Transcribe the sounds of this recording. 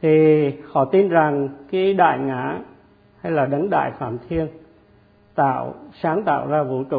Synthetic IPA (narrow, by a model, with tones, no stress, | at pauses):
t̪ʰi˨˩hɔ̰˧˨t̪i˧nza˨˩ŋkaː˨˦ɗa̰ː˧˨jŋa̰ː˧˩˨ | ha˧jlaː˨˩ɗə˨˦nɗa̰ː˧˨jfa̰ː˧˩mt̪ʰi˧ən | t̪a̰ː˧˨wsaː˨˦ŋt̪a̰ː˧˨wzaː˧vṵ˧˩t͡ɕṵ˧˩